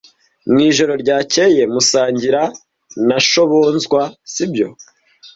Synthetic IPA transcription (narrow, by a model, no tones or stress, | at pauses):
mŋiːʒo̞ɾo̞ɾɟaːce̞je̞musaːɲɟiɾa | naʃo̞βo̞nzɡwasibɟo̞̰